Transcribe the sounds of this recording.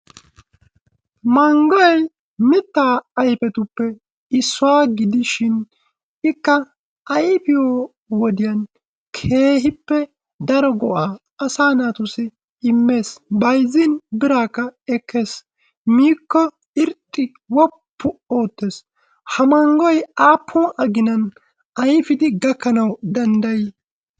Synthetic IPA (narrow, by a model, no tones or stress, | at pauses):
mɐŋɡɔjɐj | mɪt̪ːaːɐjpɛt̪ʊpːɛ | ɪsːʊwaːɡɪd̪ɪʃɪn | ɪkːɐ | ʔɐjpɪjoː | wɔd̪ɪjɐn | kʰe̞ːɦɪpːɛ | d̪ɐɾɔɡɔʔaː | ɐsaːnaːt̪ʊsɪ | ɪmːe̞ːsbɐjzːɪnbɪɾaːkːɐɛkʰːe̞ːs | miːkːɔ | ɪɾt̪ʼːɪ | wɔpʰːʊo̞ːt̪ːe̞ːs | hɐmɐŋɡɔjaːpʰːuːʔɐɡɪnɐn | ɐjfɪd̪ɪɡɐkːɐnɐwd̪ɐnd̪ɐjɪ